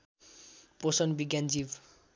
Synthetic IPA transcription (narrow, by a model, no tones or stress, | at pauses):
posʌnbiɡʲjand͡zib